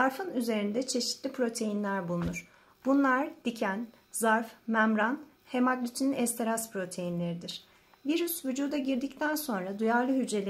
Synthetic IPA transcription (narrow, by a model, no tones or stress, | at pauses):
zaɾfɯnyze̞ɾind̪ɛt͡ʃʰe̞ʃit̪lʲipʰɾo̞t̪ʰe̞jinlʲæɾbulˠunuɾ̥ | b̥unlˠaɾd̪̥icʰæn | zaɾfmæmɾan | he̞maklʲit͡ʃʰininɛst̪ʰeɾaspʰɾo̞t̪ʰejinlʲe̞ɾid̪iɾ̥ | viɾysvyd͡ʒuːd̪aɟiɾd̪ict̪ʰænso̞nɾad̪ujaɾlˠɯɦyd͡ʒe̞lʲe